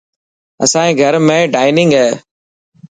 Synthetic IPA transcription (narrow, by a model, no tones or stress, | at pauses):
ə̰sãːẽːɡʱəɾmẽːɖaːɪnɪ̃ŋɡɦɛː